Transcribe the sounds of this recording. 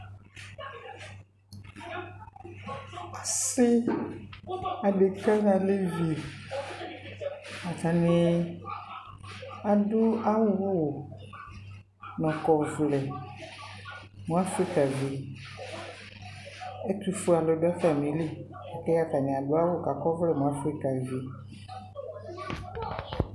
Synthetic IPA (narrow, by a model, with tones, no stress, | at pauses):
ka˨sɪ˦ | a˨de˨ki˦ka˦ka˨le˦vi˨o˨ | a˨ta˨nɪ̃˨ | a˨dʊ˦a˦wʊ˦wo˨ | nɔ̃˨kɔ˨vlɛ˨ | mũ˨˦a˦fɾi˦ka˨vi˨ | ɛ˦tu˦fu˦a˨lɔ˨dʊ˦a˦fa˨mĩ˨˦li˦ | a˨kɛ˦ja˦ka˨nɪ̃˨a˨dʊ˨˦a˦wo˦˨ka˨kɔ˦vlɛ˦˨mũ˨˦a˦fɾi˦ka˨vi˨